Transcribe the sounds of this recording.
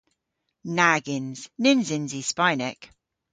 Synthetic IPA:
naɡɪ̃nz̥nɪ̃nzɪ̃nzispaɪnɪk

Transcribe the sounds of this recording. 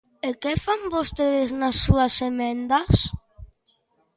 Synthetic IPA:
ekefambost̪eðeznasːuasemɛnd̪as

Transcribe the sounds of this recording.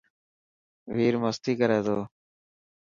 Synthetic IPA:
ʋiːɾməst̪iːkəɾeːd̪oː

